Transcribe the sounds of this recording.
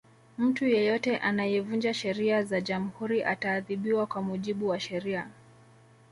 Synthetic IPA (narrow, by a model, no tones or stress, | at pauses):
m̩tujɛjɔtɛʔanajɛvund͡ʒaʃɛɾiazaʄam̩huɾiʔataːðiɓiwakwamuʄiɓuwaʃɛɾia